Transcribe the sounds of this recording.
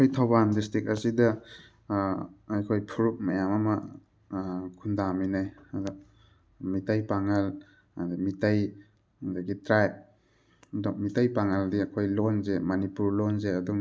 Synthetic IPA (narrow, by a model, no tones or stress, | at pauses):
kʰojtʰawbandistɾik̚ɐsidɐ | ajkʰojpʰuɾuk̚mɐjamamɐ | kʰundaminajada | mitajpaŋal | dmitaj | daɡitɾajp̚ | dɔŋmitajpaŋaldiɐkʰojlonzemanipuɾlonzeɐduŋ